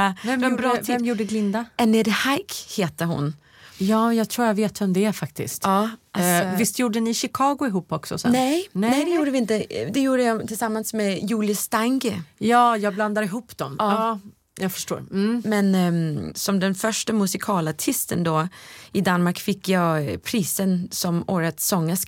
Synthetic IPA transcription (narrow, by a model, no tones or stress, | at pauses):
vɛmɛuːb̪ʰɛmjuːɖəɡlɪnd̪aɛnɪɾhajkheːt̪əɦʊ̰n | jɑːjɑɡt̪ʰɾuːɾjaɡveːt̪vɛmd̪ɛæɾfakt̪ɪ̰skt̪ɑːavɪst̪ʰjuːɖəɛnɪɕɪkʰɑːɡʊɪɦuːpːɔksɔ̰snɛjnɛɛd̪ɛjuːɖəvɪɪnt̪əd̪ɛjuːɖəjat̪ʰɪlsamːansmɛjuːljəst̪aŋɡəjɑːjɑːɡbland̪aɾɪɦuːpːd̪ɔmː | jɑːɡfœ̥ʂʈo̰ːɾ̩mɛnsɔmd̪ɛnfœʂʈəmɵsɪkʰɑːlaʈʰɪst̪ənd̪ɔɪd̪anmaɾkfɪkːjɑpʰɾiːsənsɔmoːɾət̪sɔŋːəs